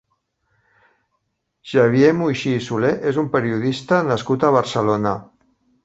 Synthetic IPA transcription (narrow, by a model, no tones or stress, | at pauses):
ʒ̥aβjemujʃiːsuleʔezumpəɾiuðist̪ənaskut̪aβ̞əɾsəlona